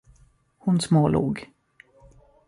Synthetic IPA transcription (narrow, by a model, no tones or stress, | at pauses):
hʊnsmoːlṵːɡ